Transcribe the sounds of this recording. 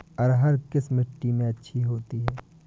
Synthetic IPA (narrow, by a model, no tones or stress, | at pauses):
ɔːɾɦɐɾkɪsmɪʈːimẽɐtːʃʰiɦoːt̪iɦɛː